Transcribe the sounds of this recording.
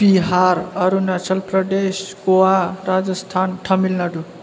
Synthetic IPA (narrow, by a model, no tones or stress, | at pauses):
b̥iɦaɾʌɾunat͡ʃʰəlpɾəd̪esɡoaɾad͡zəst̪ʰanʈʰʌmilnaɖu